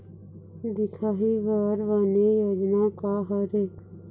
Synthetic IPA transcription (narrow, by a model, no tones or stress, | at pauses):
d̪ɪkʰaːɦiːʋəɾʋaːneːjoːd͡ʒnaːkaːɦəɾeː